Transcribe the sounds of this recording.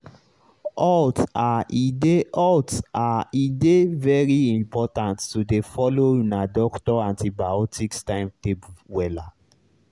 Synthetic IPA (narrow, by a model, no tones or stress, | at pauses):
ɔtaʔideʔɔtaidevɛɹiĩmpɔtãntːudefɔlonadɔktɔãntibaɔtikstãɪ̃mtepwɛla